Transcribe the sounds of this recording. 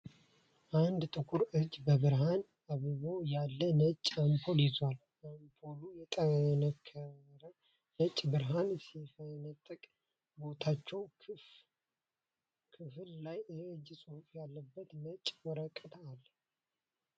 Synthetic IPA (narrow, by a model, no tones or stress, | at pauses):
ʔand̪t̪ʼɨkʰuɾɨd͡ʒbəβɨɾɦan | aβɨβo̞jalːənət͡ʃʼampʰo̞lizwal | ampʰolujɛt̪ʼəβənəkʰːəɾə | nət͡ʃʼbɨɾɦansifənət̪ʼːəkʼ | bo̞t̪ʰat͡ʃːɛw | kʰɨfɨllajɨd͡ʒːsʼɨhufjalːəbːət̪nət͡ʃʼwɔɾəkʼːət̪ʰaːlː